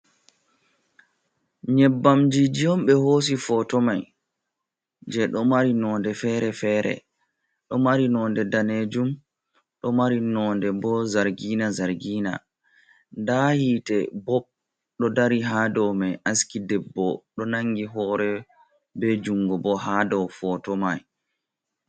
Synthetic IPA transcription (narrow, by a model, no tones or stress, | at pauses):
ɲɛbːamd͡ʒid͡ʒijɔmɓɛhos̬ifɔtɔmaj | d͡ʒɛɗɔmaɾinɔndɛfɛɾɛfɛːɾɛ̰ | ɗɔmaɾinɔːndɛdaned͡ʒum | ɗɔmaɾinɔːndɛbɔzaɾɡinazaɾɡina̰ | ndahiːtɛbɔb̚ | ɗɔdaɾiɦadɔmajʔaskidɛbːɔɗɔnaŋɡiɦɔːɾɛ | bɛd͡ʒuŋɡɔbɔɦadɔwfɔtɔmaj